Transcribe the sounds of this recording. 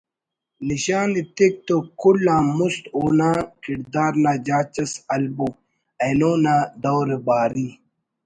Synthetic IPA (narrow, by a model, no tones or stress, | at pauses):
niɕaːnit̪ik̚t̪okulːãːmust̪uːnãːkiɾd̪aːɾnaːd͡ʑaːt͡ɕɐsɐlbo | ɐnoːnaːd̪owɾebaːɾi